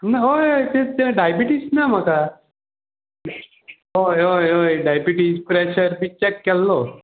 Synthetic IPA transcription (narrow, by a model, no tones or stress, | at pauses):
naɦojojt̪et̪ɛɖajbiʈisnam̤aka | ɦojojojɖajbiʈispɾɛɕəɾbit͡ɕɛkːɛlːo